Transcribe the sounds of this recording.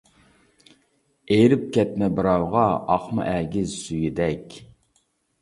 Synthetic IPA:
eɾɪp̚kʲɛt̪̚mɛbɨɾɑwʁɑɑχmɨ̰ʔæɡʲɪzsyjid̪ɛkʲ

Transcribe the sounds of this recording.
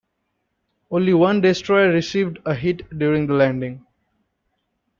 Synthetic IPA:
õːnliʋʌ̃nɖeːsʈɾɔɪɾɪsiːʋɖəɦiʈɖjuːɾɪ̃ŋd̪əlæ̃ɳɖɪ̃ŋ

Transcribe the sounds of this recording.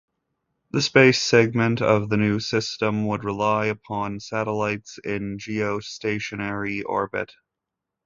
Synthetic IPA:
ðɨspeɪsɛɡ̚mɨ̃ntʌ̰vðɨnʉsɪstə̃mwəd̚ɹəlaɪɨpʰɑ̃nsæɾəlaɪtsɪ̃nd͡ʒioʊsteɪʃɨnɛɹiʔɔ̰ɹbɨ̰t̚

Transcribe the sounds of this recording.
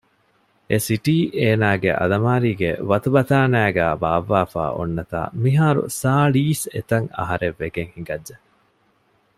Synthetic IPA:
esiʈiːʔeːnaːɡḛʔɐ̰lɐmaːɾiːɡeʋɐt̪ubɐt̪aːnæːɡæːbaːʋːaːfa̰ːʔo̰nːɐt̪a̰ːmiɦaːɾṵsaːɭiːset̪ɐŋɐ̰ɦɐɾeʋːeɡeŋhiŋɡɐdːe

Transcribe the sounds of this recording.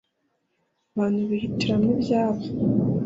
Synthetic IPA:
aβaːn̥huβihitiɾamnibjaːβo

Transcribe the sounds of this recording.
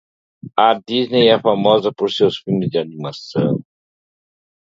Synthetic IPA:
ɐd̪iznejɛfamɔzɐpoɾsewsfilmɪzd͡ʒɪanimasɐ̰̃w̃

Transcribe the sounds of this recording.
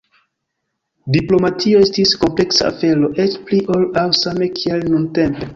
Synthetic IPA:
diplo̞matʰio̞estisko̞mple̞ksa̰a̰fe̞lo̞ʔe̞t͡ʃpliʔo̞lawsame̞kʰielnunte̞mpe̞

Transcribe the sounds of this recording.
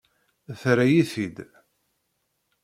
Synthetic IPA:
θɾæjiθid̪

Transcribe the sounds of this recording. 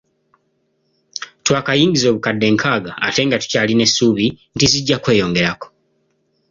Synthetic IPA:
twaːkajiːŋɡizo̞ːβukadːe̞ːŋkʰaːɡa̰ːte̞ːŋɡatu̥caːline̞suːβintiziɟːakwe̞ːjo̞ːŋɡe̞ɾako̥

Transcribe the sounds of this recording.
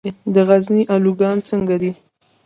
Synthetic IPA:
d̪əɣazniʔaluɡɑnt͡səŋɡad̪i

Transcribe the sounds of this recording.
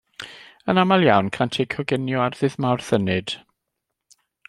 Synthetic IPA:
ənamalˠjawnkʰantʰekʰɔɡɪnjɔarðɨðmawrθənɨd̥

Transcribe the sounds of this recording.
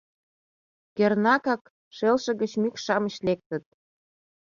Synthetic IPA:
kernɑkɑk | ʃelʃɤ̆ɣə̆t͡ɕmykʃɑmə̆ɕlek̚t̪ə̆t̪̚

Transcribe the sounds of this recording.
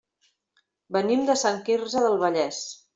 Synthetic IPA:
bənimd̪əsaŋkirzəðəlˠβəʎɛs

